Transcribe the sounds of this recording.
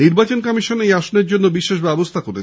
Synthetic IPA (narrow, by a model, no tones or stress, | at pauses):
iɾbat͡ɕonkɔmiʃonejaʃoneɾd͡ʑonːobiʃːeʃ̬bɛbost̪ʰakoɾe